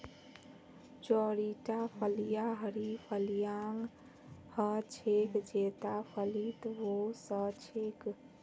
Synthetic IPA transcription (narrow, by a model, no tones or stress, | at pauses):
t͡ʃɔɾiʈapʰəlijaɦəɾipʰəlijaŋ | hət͡ʃʰekd͡ʒet̪apʰəlit̪ʋosət͡ʃʰek